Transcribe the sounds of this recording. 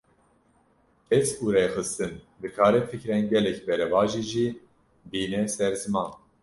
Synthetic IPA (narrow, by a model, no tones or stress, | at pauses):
ɛzuːɾexɨst̪ɨn | bɨkʰaːɾɛfɨkɾɛnɡɛlɛkbɛɾɛvɑːʒiʒiː | biːnɛsɛɾzɨmɑːn